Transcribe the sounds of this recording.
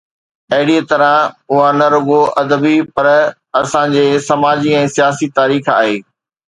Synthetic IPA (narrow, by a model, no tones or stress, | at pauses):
ɐɦɪɽiet̪ɐɾə̃ʊɦanɐɾʊɡoʔɐd̪əbipɐɾ | ɐsãd͡ʑeːsɐmaːd͡ʑiɛ̃ːsijaːsit̪aːɾiːxa̰ːɦeː